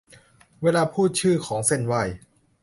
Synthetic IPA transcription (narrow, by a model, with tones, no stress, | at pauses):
weː˧laː˧pʰuː˥˩t̪̚t͡ɕʰɯː˥˩kʰɔː˩˦ŋse˥˩nwa˧˩j